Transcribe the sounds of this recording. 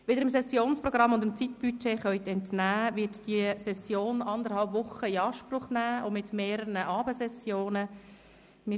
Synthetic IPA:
ʋɪd̪əɾɪmsɛsjoːnspɾɔɡɾɑmːʊndəmt͡sit̚b̥yt͡ʃeːχœʏt̪ɛntnæːʋɪtd̥iəsɛsjoːnɑnd̪əɾhɑlpʋʊχəɪɑːʃpɾʊχnæːʔomɪtmeːɾənəʔɑːbəsɛsjoːnə | mɪ

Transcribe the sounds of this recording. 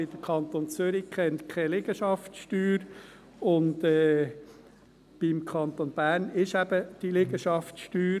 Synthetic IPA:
ɪd̥̪əkʰɑnt̪ont͡sʏɾikʰɛnt̪kʰɛlɪɡəʃɑftʃtyːɾ | ʊndɛː | b̥imkʰɑnt̪onb̥æːɾnɪʃæb̥əd̥ilɪɡəʃɑftʃtyːɾ

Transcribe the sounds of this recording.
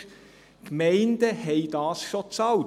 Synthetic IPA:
kmɛɪnd̥əhɛɪd̥ɑːsʃot͡sɑl

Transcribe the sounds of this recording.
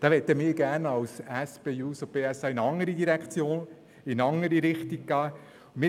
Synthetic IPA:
d̥ɑːʋɛt̪əmiːɾɡ̥æːɾnɑwsɛspeːjuːsopeːɛsɑːɪnɑŋəɾidiɾɛkχt͡sjoːn | ɪnɑŋəɾiɾɪχtik̚kɑː | mɪ

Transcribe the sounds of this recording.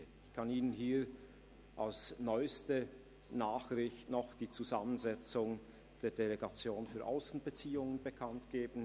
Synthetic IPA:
ɪçkʰaniːnənɦiː | ʔalsnɔʏstə | naːχrɪçtnɔχd̥iːt͡suzamənzɛt͡sʊŋ | d̥eːɐdeleɡat͡sjoːnfyːɐʔa̰ʊsn̩bət͡siːʊŋənbəkʰantɡ̥eːbn̩

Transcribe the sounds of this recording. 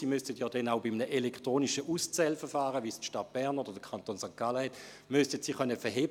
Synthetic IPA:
iːmystətjɔːdɛnaʊbimənəʔelɛktʁoːniʃəʔust͡sɛlfəfaːʁəvistʃtat̚b̥ɛʁnod̥əd̥əkʰantoːnsaŋkaləhɛt | mystətsiːχœnəfɛɦeː

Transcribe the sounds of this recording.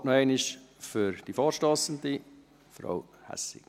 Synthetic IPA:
nɔɛɪnɪʃfʏɾd̥ifɑːɾʃtɑːsənd̪i | fɾɑ̰w | hæ̰sɪ̰k

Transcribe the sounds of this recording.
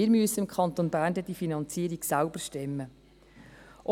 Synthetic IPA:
ɪːɾmyəsəɪmkʰɑnt̪onbæːɾndəd̥ifinɑnt͡siːəɾiɡsælbəɾʃtɛmːə | ʔɔ

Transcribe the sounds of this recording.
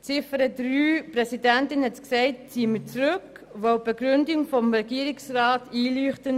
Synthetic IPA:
t͡sɪfəɾədɾyːpɾɛsidɛntɪnhɛtksɛɪt̚t͡siːəmət͡sɾʏk | ʋɔwb̥eɡɾʏndɪŋfɔmɾɛɡiːəɾɪksrɑːtiːlyːχtən

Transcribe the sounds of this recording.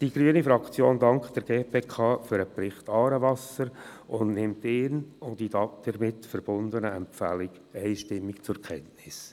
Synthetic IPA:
d̥iɡ̥ɾyənifɾɑkt͡sjoːndɑŋkχd̥ɛɾɡ̥eːpʰeːkʰɑːfʏɾəprɪχtɑːɾəʋɑsəɾʊndnɪmtɪːnʊndidɑtd̥ɛɾmɪtfəɾb̥ʊnd̪ənəɛmpfæ̰lɪɡ | ɛɪʃtɪmːɪkt͡sʊɾkʰɛntnɪs

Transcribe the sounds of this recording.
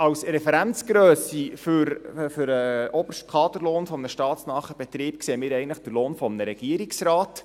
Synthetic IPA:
ɑwsɾɛfɛɾænt͡sɡ̥ɾøːsiføɾføɾəʔɔb̥əʃt̚kʰɑːtəɾloːnfɔmnəʃtɑːtsnɑːχəb̥ɛt̪ɾiːp̚kseːəmɪːɾɛɪɡəntləχd̥əɾloːnfɔmnəɾɛɡ̥iəɾiksrɑːt

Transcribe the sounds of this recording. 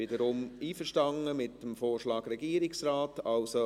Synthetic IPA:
ɪdəɾʊmiːfəʃtɑŋəmɪtəmfoːɾʃlɑːɡɾɛɡiːɾɪksraːtɑlso

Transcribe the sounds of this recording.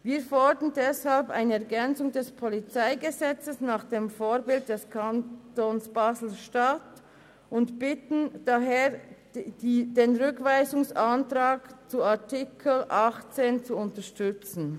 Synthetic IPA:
viːɐfɔɹdəndɛshalpa̰ɪnəɛɐɡɛnt͡sʊŋdɛspʰɔlit͡saɪɡəzɛt͡səsnaːχd̥eːmfoːʁbɪld̚d̥ɛskʰantonsb̥aːzl̩ʃtat | ʔʊntb̥ɪtn̩d̥aɦeːʁ | deːnʁʏkv̥aɪzʊŋsʔantʁaːkt͡suatɪkʰl̩ʔaχt͡seːnt͡suʊntəʃtʏt͡sn̩

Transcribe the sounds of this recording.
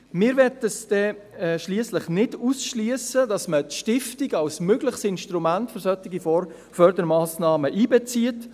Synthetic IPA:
mɪːɾʋɛtəsd̥ɛʃliəsləχnɪd̥usʃliəsədɑsmətʃtɪftɪɡɑlsmøɡləχsɪnʃtɾumæntfʏɾsœtɪɡifɔr | fœɾd̪əɾmɑːsnɑːməʔiːbɛt͡siət

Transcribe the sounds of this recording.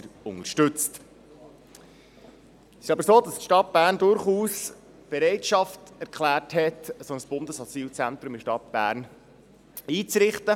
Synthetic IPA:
əɾʊŋəɾʃtɵt͡st | sɪ̥ʃɑbəɾsoːd̥ɑstʃtɑt̚b̥æːɾndʊɾχuːs | b̥eɾɛɪtʃɑftɛɾkχlæːrthɛtsonəsb̥ʊnd̪əsɔt͡siːlt͡sænt̪ɾʊmɪʃtɑt̚b̥æ̰ːɾn | iːt͡sɾɪχtə

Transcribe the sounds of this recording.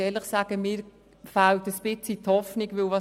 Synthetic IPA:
ɛːləχsaːɡ̥əmɪːɾ | faltəspɪt͡sit̪hɔfnɪiɡʋɪlʋɑ

